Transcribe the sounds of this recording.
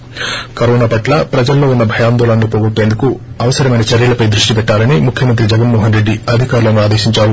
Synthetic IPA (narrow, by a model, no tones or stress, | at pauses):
kɐɾɔːnaːpɐʈlɐpɾɐd͡ʒɐlːo̞ːunːɐbʱɐjaːnd̪oːlɐnlopoɡuʈːeːnd̪ukuɐʋɐsɐɾɐmɐjnɐt͡ʃɐɾjɐlɐpɐjd̪ɾuʂʈipɛʈːaːlɐnimukʰjɐmɐnt̪ɾid͡ʒɐɡɐnmɔːɦɐnɾeɖːiɐd̪ʱikaːɾulɐnuaːd̪eːʃiɲt͡ʃaːlu